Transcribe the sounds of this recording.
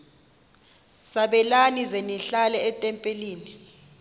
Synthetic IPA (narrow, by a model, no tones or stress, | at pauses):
saɓɛlanizeniɬalɛːtʼɛmpʼeliːni